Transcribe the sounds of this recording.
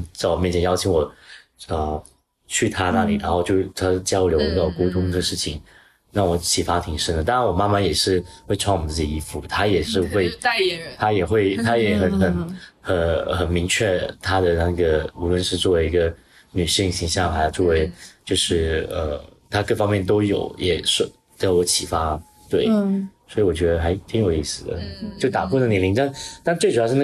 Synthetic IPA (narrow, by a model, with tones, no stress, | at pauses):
t͡sɑ˥˩wmɛ˥˩nt͡ɕʰjɛ˨˩jɑ˥˩ʊt͡ɕʰi˧˥ŋwɔ˨˩ | ə˧ | t͡ɕʰy˥˩t̪ʰa˥na˥˩li˨˩ɻa˧˥nxo˥˧ʊt͡ɕjo˥˧˩ʊt̪ʰa˥t͡ɕjɑ˥ʊljo˧˥ʊə˧ɑ˥˩ko˥ʊt̪ʰʊ˥ŋd̪ə˨ʂɻ̩˥˩t͡ɕʰi˨˩˦ŋ | na˥˩ŋwɔ˧˥t͡ɕʰi˨˩fa˥t̪ʰi˨˩ŋʂə˥nd̪ə˩t̪a˥˧ɻa˧˥nwɔ˨˩ma˥ma˥˨jɛ˨˩ʂɻ̩˥˧xwe˥˧ɪʈ͡ʂʰɑ˥˩ŋwɔ˨˩ə˦t͡sɹ̩˥˩t͡ɕi˨˩i˧˥fu˨˩t̪ʰa˥jɛ˨˩ʂɻ̩˥˧xwe˥˧ɪt̪ʰa˥jɛ˨˩xwe˥˩ɪt̪ʰa˥jɛ˨˩˦xə˨˩nxə˨˩˦nxə˧˩˦nxə˨˩nmi˧˥ŋt͡ɕʰɥɛ˥˧t̪ʰa˥d̪ə˨na˥˩ɡə˩u˧˥lwə˥˧nʂɻ̩˥˧t͡swɔ˥˩we˧˥ɪi˧˥ɡə˧ | ny˨˩ɕi˥˧ŋɕi˧˥ŋɕjɑ˥˩ŋxa˧˥ɪjɑ˥˧ʊt͡swɔ˥˩we˧˥ɪt͡ɕjo˥˧ʊʂɻ̩˥˩ə̰˧˩t̪ʰa˥kɤ˥˩fɑ˥ŋmjɛ˥˩nt̪o˥ʊjo̰˨˩ʊjʔɛ˨˩ʂ | t͡swɔ˧˥t͡ɕʰi˨˩fa˥ | t̪we˥˩ɪswɔ˧˥i˧˥wɔ˨˩t͡ɕɥɛ˧˥d̪ə˧xa˧˥ɪt̪ʰi˥jo˨˩ʊi˥˩sɹ̩˨˩ə̰˧t͡ɕjo˥˩ʊt̪a˨˩ku˥˧na˥˩njɛ˥li˧˥ŋt̪a˥˧nt̪tt͡swe˥˩ɪu˨˩˧ʂɻ̩˥˧na˥